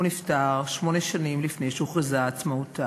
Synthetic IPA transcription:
uniftaʁʃmo̞neʃanimlifne̞jʃuχizat͡smauta

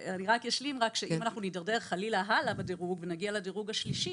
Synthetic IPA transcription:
aniʁakjaʃlimʁakʃeimanaχnunidaʁdeʁχalilaɦalabadeʁuɡvenaɡialadeʁuɡaʃliʃi

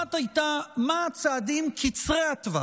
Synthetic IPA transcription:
at̪ajt̪amaːt͡saːd̪imkʰit͡sʁeat̪va

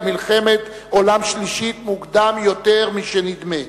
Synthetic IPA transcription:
milχe̞met̪ | o̞lamʃliʃit̪muɡd̪amjo̞t̪e̞ʁmiʃenid̪me

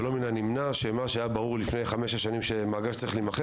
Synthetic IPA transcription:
elo̞minanimnaʃemaʃeajabaʁuʁlifnejχameʃaʃanimʃemaɡaʃt͡saɐʁilimaχe

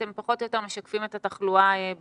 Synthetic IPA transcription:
empaχo̞t̪ojot̪eme̞ʃakfime̞t̪ataχluaeb

